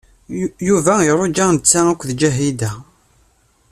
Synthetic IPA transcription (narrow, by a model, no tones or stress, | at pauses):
juvæjəɾˤod͡ʒænt͡sːæækʷːðd͡ʒæɦid̪æ